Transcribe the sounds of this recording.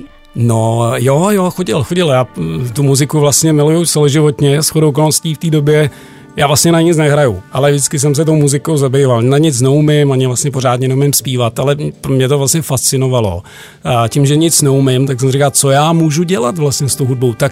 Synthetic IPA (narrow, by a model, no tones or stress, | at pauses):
nojojoxoɟɪlxoɟɪljaːt̪umuzɪkuvlast̪ɲɛmɪlujut͡sɛlɛʒɪvo̞t̪ɲɛsxodowkolnosciːft̪iːdo̞bjɛ | jaːvlastɲɛnaɲɪt͡snɛɦɾajuʔalɛvʒdɪt͡skɪs̬ɛms̬ɛt̪owmuzɪkowzabɛjvalnaɲɪt͡snɛumɪmaɲɪvlast̪ɲɛpo̞ɾ̝aːt̪ɲɛnɛumɪmspiːvat̪alɛpmɲɛt̪ovlastɲɛfast͡sɪnovalo̞̰ | cɪmʒɛɲɪt͡snɛumɪmt̪̬aksɛmsɾikalt͡sojaːmuːʒuɟɛlat̪vlast̪ɲɛst̪owɦud̚bo̞wt̪ak̚